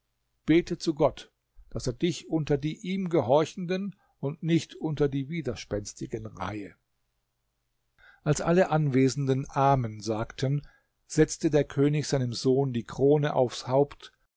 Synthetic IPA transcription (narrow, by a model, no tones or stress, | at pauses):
b̥eːtʰət͡suɡɔt | d̥aseːɐdɪçʔʊntɐdiːʔiːmɡəɦɔɐçn̩dən | ʊntnɪçtʔʊntɐdiːviːdɐʃpɛnstɪɡənʁa̰ɪə | ʔalsʔaləʔanveːzn̩dənʔaːɐmənzaːktʰən | z̥ɛt͡stədeːɐkʰøːnɪçz̥aɪnəmzoːndiːkʁ̥oːnəʔa̰ʊfshaʊpt